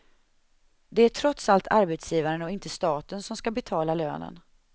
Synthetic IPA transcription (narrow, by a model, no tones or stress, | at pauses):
d̪ɛæʈʰɾɔt̪salt̪ʰaɾbɛt̪sjiːvaɾənɔɪnt̪əst̪ɑːt̪ənsɔmskabɛt̪ʰɑːlalø̰ːnə̰n